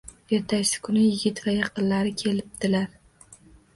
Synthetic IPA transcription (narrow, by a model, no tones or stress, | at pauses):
eɾt̪ʰasɪ̥kʰʊnɪjɪɡʲɪt̪vajɑqɨnlaɾɪkʲʰe̞lɪp̚d̪̥ɪlaɾ